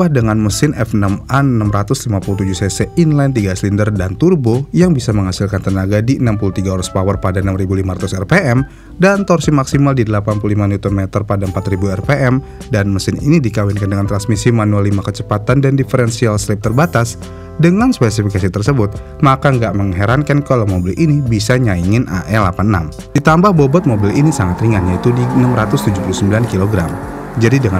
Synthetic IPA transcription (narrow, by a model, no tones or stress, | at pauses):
ahdəŋanməsɪnʔɛ̰fnamanənamɾat̪ʊslimapuluht̪ud͡ʒuhseseinlɛnt̪iɡasəlindərdant̪urbojaŋbisaməŋhasilkant̪ənaɡadiənampulut̪iɡaoɾaspawərpadaənamribulimaɾat̪usɛrpeʔɛm | dant̪ɔrsimaksimaldidəlapanpululimaniut̪ɔnmɛt̪ərpadaəmpat̪ribuɛrpeʔɛm | danməsɪnḭnidikawɪnkandəŋant̪ɾansmisimanualːimakət͡ʃəpat̪andandifəɾɛnsialsəlɪp̚t̪ərbat̪as | dəŋanspɛs̬ifikasit̪ərsəbʊt̪̚ | makaŋɡaʔməŋɦeɾankankalawmobɪlʔinibisaɲaiŋɪnʔa̰ʔɛlapanəna̰m | d̥it̪ambahbobɔt̪̚mobɪlinisaŋat̪riŋanjait̪udinəmɾat̪ʊst̪ud͡ʒupulusəmbilankiloɡɾam | d͡ʒadidəŋa